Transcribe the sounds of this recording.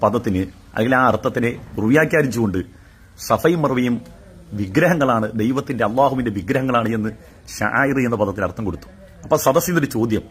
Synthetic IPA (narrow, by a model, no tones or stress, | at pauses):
pɐðɐt̪ːinɨ | ɐ̰lːeŋɡilaːɐrt̪ːɐt̪ːine̞ɡ̪ruʋjaːkʲːaːɾit͡ɕːuɣo̞ɳɖɨ | sɐfɐjumːɐruʋɐjum | ʋiɡɾɐɦɐŋːɐɭaːɳɨd̪e̞jʋɐt̪ːinde̞ɐlˠːaːɦuʋinde̞ʋiɡɾɐɦɐŋːɐɭaːɳɨe̞nːɨ | ɕɐ̰ʔa̰ːjirɨe̞nːɐpɐðɐt̪ːinɐrt̪ːɐmko̞ɽut̪ːu̥ | ɐpːoɭsɐd̪ɐsjinːoɾut͡ɕo̞ːd̪jɐm